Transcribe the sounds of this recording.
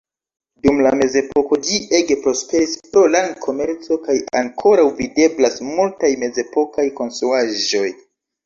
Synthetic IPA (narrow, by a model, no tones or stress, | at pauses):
dumlame̞ze̞po̞ko̞d͡ʒie̞ɡepɾo̞spe̞ɾispɾo̞lankʰo̞me̞ɾt͡so̞kaja̰ŋkʰo̞ɾawvide̞blasmultajme̞ze̞po̞kajko̞nstɾuaʒo̞j